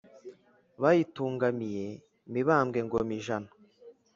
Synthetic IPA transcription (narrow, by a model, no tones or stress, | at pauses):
βajituːŋɡamije̞ | miβaːmɡe̞ŋɡomiʒanḁ